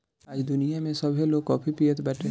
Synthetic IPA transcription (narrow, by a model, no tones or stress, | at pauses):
aːd͡ʒd̪ʊnijamẽsɐbʱeloːɡkɔːpʰipijət̪bɛːʈʰe